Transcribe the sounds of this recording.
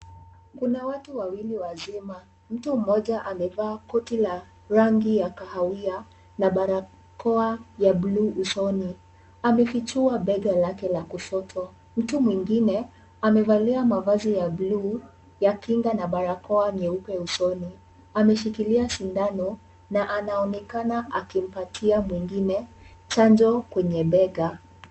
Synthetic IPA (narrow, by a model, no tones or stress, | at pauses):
kunawatuwawiliwazima | m̩tum̩mɔʄaʔamɛvaːkɔtila | ɾaŋɡijakahawia | naɓaɾa | kɔajabluːsɔni | amɛfit͡ʃuaɓɛɡalakɛlakuʃɔtʰɔ | m̩tumwiŋɡinɛ | amɛvaliamavazijabluː | jakiŋɡanaɓaɾakɔaɲɛupɛusɔni | amɛʃikiliasindanɔ | naʔanaɔnɛkanaʔakim̩patʰiamwiŋɡinɛ | t͡ʃand͡ʒɔkwɛɲɛɓɛɡa